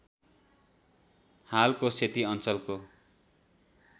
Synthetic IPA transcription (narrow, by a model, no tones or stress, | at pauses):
halkoset̪iʌnt͡sʌlko